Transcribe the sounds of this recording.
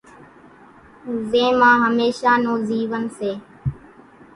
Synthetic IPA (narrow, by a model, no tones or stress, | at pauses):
zẽːmãːɦəmeːʃaːnoːziːʋənseː